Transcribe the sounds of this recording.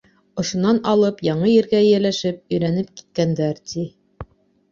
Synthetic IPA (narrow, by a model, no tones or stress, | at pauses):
ŏʃŏnɑnɑlˠɤpjɑɴɤjɘ̆ɾɡæjɘ̆ɾlæʃɘp̚ɵ̆jɾænɘp̚ki̥t̪̚kænd̪æɾt̪ʰi